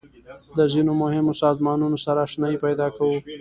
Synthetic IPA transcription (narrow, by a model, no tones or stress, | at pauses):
d̪əzinomʊhɪmosɑzmɑnunosaɾaʃnaipajd̪ɑkawu